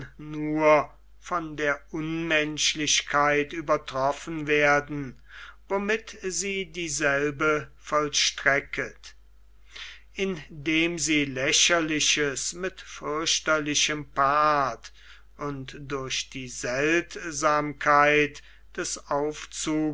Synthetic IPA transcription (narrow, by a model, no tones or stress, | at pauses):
nuɐ | fɔndeːɐʔʊnmɛnʃlɪɕkʰaɪtyːbɐtʁ̥ɔfən̩veːɐdn̩ | vomɪtziːdiːzɛlbəfɔlʃtʁɛkʰət | ʔɪndeːmziːlɛʃɐlɪʃəsmɪtfʏɐʃtɐlɪʃəmpaːt | ʔʊntd̥ʊɐʃd̥iːzɛltzaːmkʰaɪt | d̥ɛsaʊft͡suː